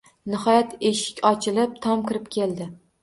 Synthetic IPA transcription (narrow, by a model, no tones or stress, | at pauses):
nɪhɒjat̪ʰeʃɪ̥kʲɒt͡ʃʰɪlɪp̚t̪ʰɒmkʲɪɾɪp̚kʲʰe̞ld̪ɪ